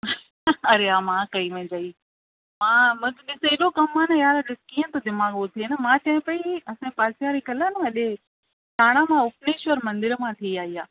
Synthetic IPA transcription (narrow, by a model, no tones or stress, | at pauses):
ɐɾeaːmãːkɐimẽd͡ʑaːi | mãːmɐ̃ːkeɗɪseɗokɐmːaːnɐjaːɾɗɪkiːə̃t̪ʰod̪ɪmaːɠot̪ʰienɐmãːt͡ɕɐ̃ɦɪ̃pɐiɐsãpaːsijaːɾikɐlənũɐɗe | ʈaːɽ̃amãʊpneːʃɔɾmɐ̃nd̪ɪɾmãt̪ʰiaːiaː